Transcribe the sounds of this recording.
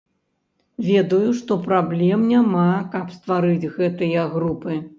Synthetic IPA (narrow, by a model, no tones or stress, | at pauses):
vʲɛd̪ɐjuʂt̪ɔpɾablʲɛmnʲamakɐpst̪vaɾɨd͡zʲɣɛt̪ɨjɐɣɾupɨ